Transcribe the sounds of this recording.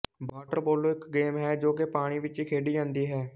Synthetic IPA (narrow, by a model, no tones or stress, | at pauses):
baːʈəɾboːloːɪkɡeːmɦɛːd͡ʒoːkepaːɽ̃iːʋɪt͡ʃikʰeːɖiːd͡ʒãːnd̪iːɦɛː